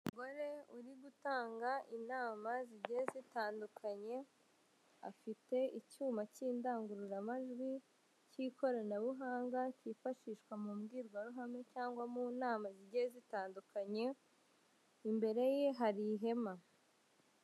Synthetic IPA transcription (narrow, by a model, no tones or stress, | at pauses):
mumuɡo̞ɾe̞uɾiɡutaːŋɡaʔinaːmaziɟezitaːndukʰaɲe̞ | a̰fite̞icuːmaciːndaːŋɡuɾuɾamaʒɡwi | cikʰo̞ɾonaβuɦaːŋɡacifaʃiʃkwamumɡiːɾɡwaɾuɦame̞caːŋɡwamunaːmaziɟezitaːndukʰaɲe̞ | imbe̞ɾe̞jeɦaɾiɦe̞ma